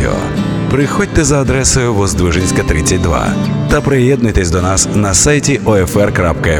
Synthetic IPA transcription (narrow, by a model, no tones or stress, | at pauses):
ɪ̰ɔ̰ | pɾɪxɔdʲt̪ɛzɐːd̪ɾɛsʊjʊʋɔzd̪ʋɪʒenʲsʲkɐt̪ɾɪt͡sʲːɐtʲd̪ʋa̰t̪ɐpɾɪjɛd̪nʊjt̪esʲd̪ɔnasnɐsajtʲiʔɔɛfɛrkɾapkɐɛ